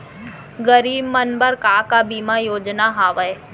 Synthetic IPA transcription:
ɡəɾiːbmɐnbəɾkaːkabiːmajoːd͡ʒnaɦaːʋəe

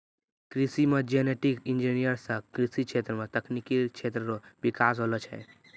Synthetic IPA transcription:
kɾisimed͡ʒeneʈikind͡ʒinijəɾsə̃kɾisikt͡ʃʰet̪ɾəmet̪əknikikt͡ʃʰet̪ɾəɾobikasɦolɔt͡ʃʰɛ̰

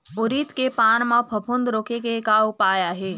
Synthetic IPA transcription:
ʊɾit̪kepaːnmãpʰɐbʰʱʊ̃nd̪ɾoːkekekaʊpaːjaːɦeː

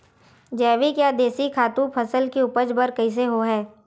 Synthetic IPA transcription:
d͡ʒɛːʋikjaːd̪eːsikʰaːt̪ũpʰəsəlkiʊpəd͡ʒbəɾkɐɪs̬eɦoɦɛː

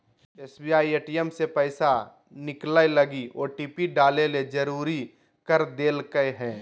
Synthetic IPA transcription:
eːsbiaːieːʈijemsepɛːsa | nɪklaeləɡioːɾʈiːpiɖaːleled͡ʒəɾuːɾi | kəɾd̪eːlkəeɦɛ̃ː

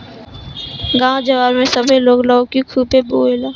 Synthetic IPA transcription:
ɡãːõd͡ʒɐʋaːɾmẽsɐbʱeloːɡlaokikʰuːpeboːelaː

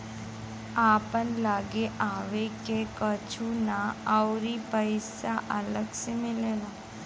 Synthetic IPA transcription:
apənlaɡeʔaʋekekət͡ʃʰunaəwɾipəɪsaʔələɡsemɪlela

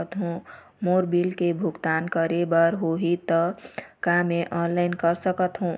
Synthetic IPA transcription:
t̪ɦũ | moɾbilkebʱuɡt̪ankəɾebəɾɦoɦit̪ʌkameʔɔnlaɪnkəɾsəkət̪ɦũ

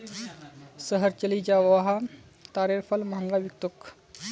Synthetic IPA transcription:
səɦəɾt͡ʃəlid͡ʒaʋʋaɦa | t̪aːɾeɾfʰɐlmɐɦɐŋɡaʋik̚t̪uk

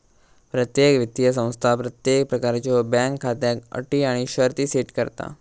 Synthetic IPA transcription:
pɾət̪jekʋit̪ːijəs̬ə̃w̃st̪ʰapɾət̪jek̚pɾəkaɾt͡ɕobãŋkʰːat̪jakə̰ʈiːaɽ̃iɕəɾt̪iːseʈkəɾt̪a̰

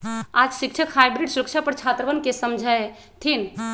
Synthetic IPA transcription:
ad͡ʒsik̚t͡ʃʰəkhajbɾiɖsuɾək̚t͡ʃʰapəɾt͡ʃʰat̪ɾəʋənkesəmd͡ʒʱəj | t̪ʰin

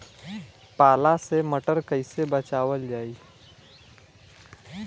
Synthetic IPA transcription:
paːlaseməʈəɾkəɪsebət͡ʃaːwəld͡ʒaːiː

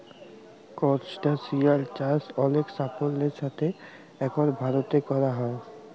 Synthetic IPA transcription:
kɔɾt͡ʃʈasialt͡ɕaɾsɔleksapolːeɾʃat̪ʰe | ɛkoɾbʱaɾot̪ekɔɾaɦɔe

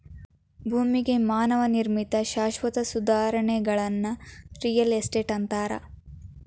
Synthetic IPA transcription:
bʱuːmiɡe̞maːnɐʋɐniɾmit̪ɐʃaːʃʋɐt̪ɐsud̪aːɾɐɳɛɡɐɭɐnːɐɾijɐlesʈeːʈɐnt̪aːɾɐ̰

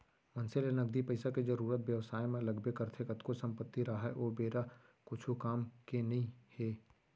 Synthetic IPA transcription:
mɐ̃nselenɐɡ̚d̪ipɐɪsakezɐɾuːɾət̪ʋjɐʋsaːjmẽlɐɡbekɐɾt̪ʰekɐt̪kosɐ̃mpət̪ːiɾaɦaʔoːbeːɾa | kʊt͡ʃʰukaːmkenɐɦĩheː

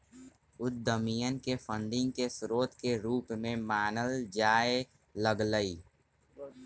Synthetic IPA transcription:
ʊt̪̚d̪əmijənkepʰə̃nɖ̪ɪ̃ŋɡkesɾoːt̪keɾuːpmẽmaːnəld͡ʒaːe | ləɡləiː

